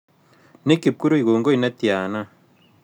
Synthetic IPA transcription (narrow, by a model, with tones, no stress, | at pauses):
ne˦ki˨p̚ku˦ɾu˦i˨ɣoː˨ŋɡo˦i˨na˦t̪i˨aː˨na˦˨